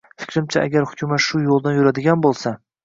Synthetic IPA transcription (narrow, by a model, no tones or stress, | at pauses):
fɪ̥kʲɾɪmt͡ʃʰaʔa̰ɡʲaɾhʊkʰʲʊmat̪ʃʊjolˠd̪anjʊɾad̪ɪɡʲanbolˠsa